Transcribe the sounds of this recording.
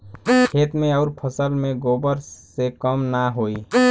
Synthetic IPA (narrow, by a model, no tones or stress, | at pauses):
kʰeːt̪mẽɔʊɾpʰəsəlmẽɡoːbəɾsekəmnaɦoːi